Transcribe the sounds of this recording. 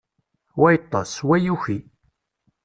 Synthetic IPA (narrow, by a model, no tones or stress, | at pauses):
wæjt̪ˤːɑswæjuçi